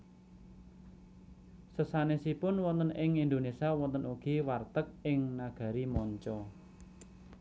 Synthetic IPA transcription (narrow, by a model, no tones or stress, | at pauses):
səsanesipʊnwɔnt̪ənɪŋind̪onesiawɔnt̪ənuɡ̥i̤wart̪ək̚ɪŋnaɡ̥ä̤ɾimɔɲt͡ʃɔ